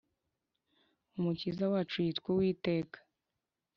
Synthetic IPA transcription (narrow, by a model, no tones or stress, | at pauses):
umucizawat͡ʃuitkʷuwiːte̞ːkḁ